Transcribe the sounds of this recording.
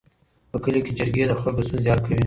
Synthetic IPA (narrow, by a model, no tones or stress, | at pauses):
pəkəlokʲed͡ʒəɾɡʲed̪əxalɡost̪unzjɑt̪kʰawi